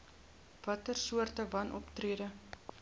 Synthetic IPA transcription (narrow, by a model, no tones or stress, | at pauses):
vɐtərsuərtəvɐnʔɔ̰ptriədə